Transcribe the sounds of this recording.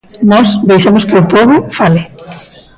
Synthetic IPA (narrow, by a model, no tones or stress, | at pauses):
nɔsbejʃamoskɪʊpɔβʊfalɪ